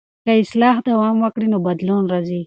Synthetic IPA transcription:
kɐislaːɦd̪ɐwaːmwɐkɽinobɐd̪loːnɾɐzi

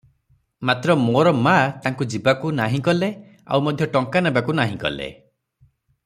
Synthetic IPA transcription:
mat̪ɾɔmoɾɔmat̪aŋkud͡ʒibakunaɦĩkɔle | a̰wmɔd̪ʱjɔʈɔŋkanebakunaɦĩkɔ̰lḛ

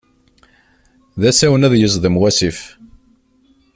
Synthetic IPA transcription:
ðæsæwənæðjəzˤðˤəmwæsif

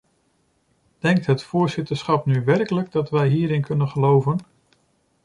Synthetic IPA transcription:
d̥ɛŋk̚tɦətfʊːɹzɪtəɹsχɑpnyʋɛɹkələɡ̚dɑtʋɛjɦiːɾɪnkɵnənχəlowvən

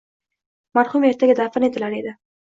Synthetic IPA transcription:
maɾχumeɾt̪ʰaɡʲad̪afɪnet̪ɪlaɾed̪ɪ

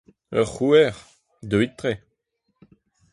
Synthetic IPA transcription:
œ̰ʁːuɛʁ | d̪øwit̪ːʁe

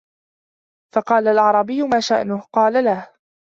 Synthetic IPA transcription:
fɑqɑːlalʕɑɾˤɑbɪjːʊmaːʃaʔnʊhqɑːlalah

